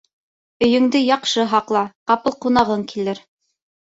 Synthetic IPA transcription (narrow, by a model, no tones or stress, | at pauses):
ɵ̆jɵ̆ŋd̪ɘjɑqʃɤɦɑqlˠɑqɑpɤlˠqunɑʁɤŋkilɘɾ